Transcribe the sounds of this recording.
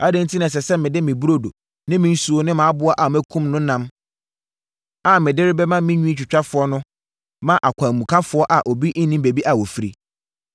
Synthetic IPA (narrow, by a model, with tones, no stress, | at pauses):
a˦dɛ̃˦n̩˦tʰi˦nã˨s̬ɛ˨sɛ˦mɪ̃˨dɪ˦mɪ̃˨bu˦ɾo˦do˨ | nɪ̃˦mɪ̃˦n̩˦su˨o˦nɪ̃˦mã˨a˦bʊ˦a˦ʔa˨mæ˦kʰũ˦mnʊ̃˦nã˦m | a˨mɪ̃˨dɪ˦ɾɪ˦bɛ˦mã˦mɪ̃˦ɲũ˦ĩ˦t͡ɕᶣɪ˨t͡ɕᶣa˦fʊ˨˦ɔ˦nʊ̃˦ | mã˦ʔa˨kʰʷã˨mũ˨kʰã˦fʊ˨˦ɔ˦ʔa˨ʔo˨bi˦ʔ̩˦nĩ˦mbe˨bi˦ʔa˨wo˨fi˦ɾi˦